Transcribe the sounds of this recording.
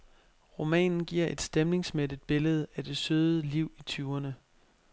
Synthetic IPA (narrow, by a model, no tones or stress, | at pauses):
ʁo̝mɛ̰ːnn̩ɡ̥iɐ̰ʔe̝d̥sd̥emle̝ŋsmedid̥̚b̥e̝ləð̞̩ˠæd̥e̝søːðˠəliʊ̰it͡sʰyːɐnə